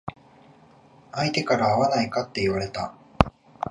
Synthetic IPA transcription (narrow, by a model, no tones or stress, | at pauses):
ait̪e̞kaɾaːβanaikat̪ːe̞iβaɾe̞t̪a